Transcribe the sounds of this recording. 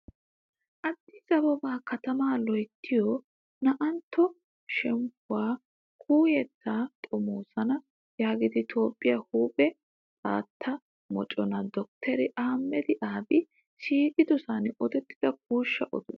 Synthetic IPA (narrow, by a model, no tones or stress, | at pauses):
ʔɐd̪ːɪzɐbɔbaːkɐt̪ɐmaːlɔjt̪ʰːɪjɔ | nɐʔɐnt̪ʰːɔ | ʃɛmpʊwaː | kʰuːjɛt̪ːaːt̪ʼɔmoːsɐnɐ | jaːɡɪd̪ɪt̪ʰo̞ːpʼːɪjahuːpʼɛ | t͡sʼa̰ːt̪ʰːɐ | mɔt͡ʃʼɔnɐd̪ɔk̚t̪ʰɛɾɪʔaːmːɛd̪ɪʔaːbɪ | ʃiːkɪd̪ʊsɐnɔd̪ɛt̪ːɪd̪̥ɐk̚uːʃːɐʔɔ̰d̪ʊ